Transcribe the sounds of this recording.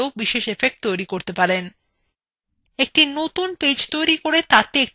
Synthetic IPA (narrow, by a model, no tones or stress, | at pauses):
obiʃeʃefek̚ʈt̪ojɾikoɾt̪epaɾen | ek̚ʈinot̪unped͡ʑt̪ojɾikoɾet̪at̪eek̚